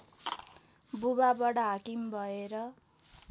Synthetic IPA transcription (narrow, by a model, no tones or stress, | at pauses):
bubabʌɽaɦakimbʱʌeɾʌ